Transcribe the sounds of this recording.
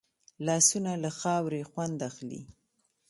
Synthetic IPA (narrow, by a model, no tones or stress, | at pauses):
lɑsunalaxɑwɾexwand̪axlḭ